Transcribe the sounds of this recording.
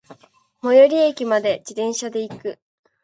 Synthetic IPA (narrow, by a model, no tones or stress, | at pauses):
mo̞joɾʲiekʲimad̪e̞d͡ʑid̪ẽ̞ɰ̃ɕad̪e̞ikɯ̟